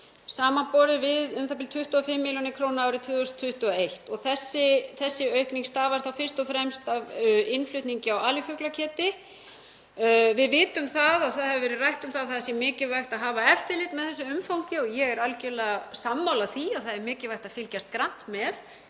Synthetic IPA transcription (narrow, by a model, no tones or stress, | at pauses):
saːmapɔːɾɪvɪðʏmθʰap̬ɪlt̪ʰʏht̪uafɪmːiljɔnɪkʰɾownaːwɾɪt̪ʰvʏːɔst̪ʰːʏht̪uaejht̪ɔɣθɛsːɪθɛsːɪœɥhkniŋst̪aːvaɾ̥θawfɪ̥st̪ɔfɾɛmst̪avɪnflʏht̪niɲcɪawaːljɪfœklacʰɛːt̪ɪ | vɪðvɪːt̪ʏmθaðaθaðhɛvʏvɛɾɪrajht̪ʏmθaðθaðsjɛmɪːcɪvajxt̪aðɦaːvaɛft̪ɪlɪːt̪mɛðθɛsːʏʏmfawŋcɪɔɣjɛɣɛɾalcɛlɛːɣasamːawlaθiaðθaðɛɾmɪːcɪlvajht̪aðfɪlcast̪̚kɾan̥t̪mɛð